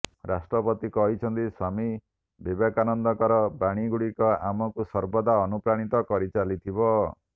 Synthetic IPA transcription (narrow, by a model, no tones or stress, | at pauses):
ɾasʈɾɔpɔt̪ikɔɦit͡ʃʰɔnt̪isami | bebakanɔnd̪ɔkɔɾɔbaɽ̃iɡuɽikɔamɔkusɔɾbɔd̪aɔnupɾaɽ̃it̪ɔkɔɾit͡ʃalit̪ʰibɔ